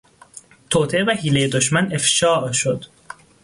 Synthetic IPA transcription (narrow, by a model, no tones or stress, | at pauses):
t̪ʰoːt̪ʰeevæhiːlejed̪oʃmæne̞fʃɒːʔʃod̪̥